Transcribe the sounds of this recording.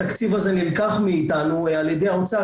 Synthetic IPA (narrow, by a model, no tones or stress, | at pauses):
akt͡sivazenilkaχmiːt̪anuealjed̪ejaot͡sa